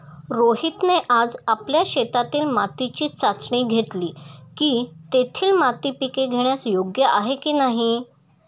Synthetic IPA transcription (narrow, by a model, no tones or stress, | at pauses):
ɾoɦit̪neʔad͡zapljaɕet̪at̪iːlmat̪it͡ɕiːt͡sat͡sɳiːɡʱeʈliːkiːt̪et̪ʰiːlmat̪ipikeɡʱeɳ̃jasjoɡjəʔaɦekiːnaɦi